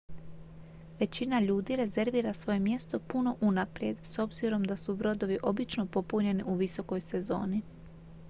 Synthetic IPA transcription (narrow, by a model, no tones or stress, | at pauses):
ʋe̞t͡ɕinaʎuːd̪iɾe̞ze̞ɾʋiːɾasʋo̞jemje̞st̪o̞puno̞ʔunapɾje̞d̪so̞bziɾo̞md̪asubɾo̞d̪o̞ʋiʔo̞bit͡ʃno̞po̞puɲe̞niʔuʋiso̞ko̞jse̞zo̞̰ːni